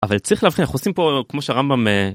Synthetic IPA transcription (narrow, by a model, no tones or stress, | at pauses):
ʔavalt͡saiχleavχinaχuosimpo̞kmo̞ʃeaʁambame